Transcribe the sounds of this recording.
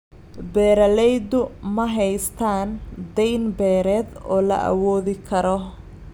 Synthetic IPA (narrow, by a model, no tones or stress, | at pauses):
bɛːɾɐlɛjd̪ʊmɐɦɛjst̪ʰaːnd̪ɛjnbɛːɾɛːd̪ɔːlɐ̰ʔɐ̰wɔːðɪkʰɐɾɔ